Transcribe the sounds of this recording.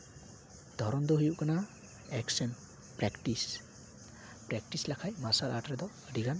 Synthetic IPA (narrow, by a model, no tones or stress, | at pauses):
d̪̥ʱɔɾɔnd̪ɔɦujuʔkana | ɛksɛn | pɾɛkʈis | pɾɛk̚ʈislakʰajmasalaʈɾɛd̪ɔ | ɖiɡan